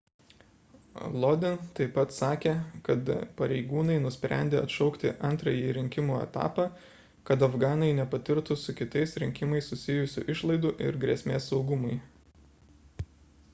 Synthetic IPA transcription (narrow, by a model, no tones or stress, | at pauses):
lˠɔd̪ʲɪnt̪ɐɪpːɐt̪sɑːkʲeːkɐt̪pɐɾʲɛɪɡuːnɐɪnʊsʲpʲɾʲæ̰nʲd̪ʲeːɐt̪ʃɒʊkt̪ʲɪʔɐnˑt̪ɾɐjiːɾʲɪŋʲkʲɪmuːɛ̰t̪ɑ̰ːpɑː | kɐt̪ɐfɡɑːnɐɪnʲɛpɐt̪ʲɪɾt̪ʊsʊkʲɪt̪ɐɪsɾʲɪŋʲkʲɪmɐɪssʊsʲɪjʊsʲʊʔɪʃlˠɐɪd̪ʊʔɪ̰ɾɡɾʲɛsʲmʲeːsːɒʊɡʊmɐɪ